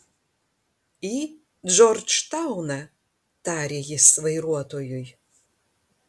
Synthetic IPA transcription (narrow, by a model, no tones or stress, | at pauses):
i | d͡ʒɔrt͡ʃtawnɐ | taːɾʲejɪsvɐjɾuɔtʰojuj